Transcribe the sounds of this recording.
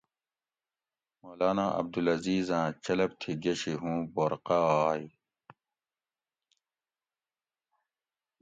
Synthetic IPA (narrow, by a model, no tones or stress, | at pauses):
moːlaːnaʔɐ̰b̚d̪ulɐziːzãːt͡ɕɐlɐb̚t̪ʰiɡeɕiɦũːboːɾqaːj